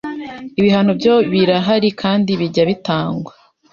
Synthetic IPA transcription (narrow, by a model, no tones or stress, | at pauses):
iβiɦanobɟoβiɾaɦaɾikʰaːndiβiɟaβitaːŋɡwa